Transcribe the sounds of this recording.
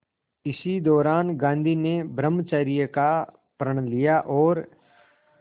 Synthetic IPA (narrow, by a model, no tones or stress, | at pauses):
ɪsid̪ɔːɾaːnɡãːnd̪ʱinebɾəmːt͡ʃaːɾijəka | pɾəɽ̃lijaʔɔːɾ